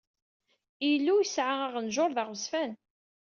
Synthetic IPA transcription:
ilːujəsʕaəʁənʒʊɾˤðaʁəsfæn

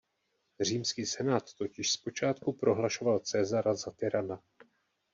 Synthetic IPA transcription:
r̝iːmskiːsɛnaːt̪ːo̞cɪʃspo̞t͡ʃaːt̪kupɾo̞ɦlaʃo̞valt͡sɛːzaɾazat̪ɪɾana

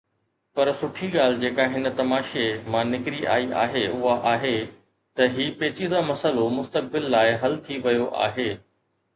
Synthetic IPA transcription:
pɐɾsʊʈʰiɠaːl̤ɪd͡ʑeːkaɦɪnə̆t̪ɐmaːʃemãːnɪkɾiʔa̰ːiʔa̰ːɦeʔʊɦaʔaːɦe | t̪ɐɦiːpeːt͡ɕid̪amɐsəlomʊst̪ək̚bɪlːaːɪɦɐlt̪ʰiʋɐjoʔa̰ːɦeː

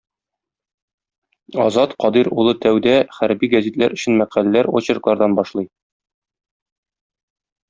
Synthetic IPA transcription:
ɒzɑt̪qɒd̪iɾulˠɤt̪æwd̪æχæɾbiɡæzit̪læ̰ɾʔɵ̆ɕɘ̆nmæqælælæɾoɕɤɾ̆qlˠɑɾd̪ɑnbɒʃlˠɤj

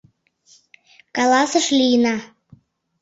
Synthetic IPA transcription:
kɑlɑsɤʃlʲijənɑ

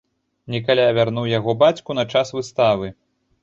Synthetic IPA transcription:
nʲɛk̬alʲavʲarnuwjaɣɔbat͡sʲkunɐt͡ʂasvɨst̪avɨ

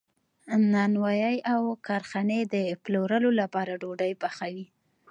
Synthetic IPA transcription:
nɑnwajajawkɑɾxɑned̪əploɾəlolapɑɾaɖoɖajbaxawi

